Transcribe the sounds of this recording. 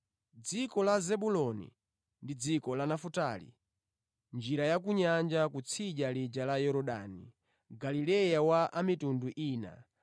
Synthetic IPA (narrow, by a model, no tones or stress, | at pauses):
d͡zikɔlazɛɓulɔnḭ | ndid͡zikɔlanafuta̰lḭ | nd͡ʒiɾajakuɲand͡ʒakut͡sʰiʄalid͡ʒalajɔɾɔɗa̰ni | ɡalilɛjawaʔamitunduʔiːna̰